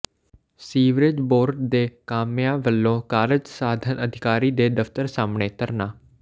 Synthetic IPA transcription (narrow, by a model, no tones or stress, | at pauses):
siːʋɾɪd͡ʒboːɾɖd̪eːkaːmjãːʋəlːõːkaːɾɪd͡ʒsaːd̪ʱənʔəd̪ʱɪkaːɾiːd̪eːd̪əft̪əɾsaːmɳeːt̪əɾnãː